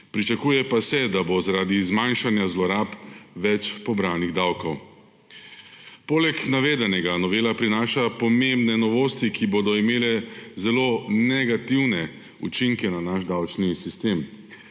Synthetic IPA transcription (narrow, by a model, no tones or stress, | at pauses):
pɾit͡ʃakuːjɛpasɛd̪abozaɾaːd̪izmajnʃanjazlɔɾaːpʋɛt͡ʃpɔbɾaːniɣd̪awkɔw | poːlɛknaʋeːd̪ɛnɛɡanɔʋeːlapɾinaːʃapɔmembnɛnɔʋoːst̪ikʰiboːd̪ɔimeːlɛzɛloːnɛɡat̪iwnɛ | ṵt͡ʃiŋkɛnanaʃd̪awt͡ʃnisist̪eːm